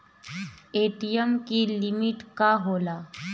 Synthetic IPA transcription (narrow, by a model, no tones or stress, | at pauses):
eʈijəmkilimiʈkaɦola